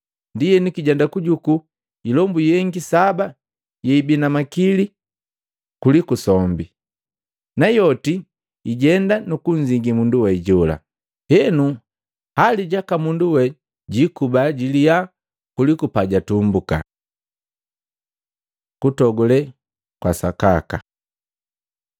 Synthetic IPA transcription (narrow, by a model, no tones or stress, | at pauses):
ndijɛnukiɟɛndakuɟuku | ilɔmbujɛŋɡisaba | jɛibinamakili | kulikusɔmbi | najɔti | iɟɛndanukuɲziŋɡimunduwɛɟɔla̰ | hɛnu | haliɟakamunduwɛ | ɟikubaɟilia | kulikupaɟatumbuka̰ | kutɔɡɔlɛ | kwa̰saka̰ka